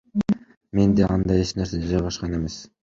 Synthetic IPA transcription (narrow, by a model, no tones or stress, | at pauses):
me̞nd̪eɑnd̪ɑjeʃnæɾseed͡ʒɑjʁɑʃqɑne̞me̞s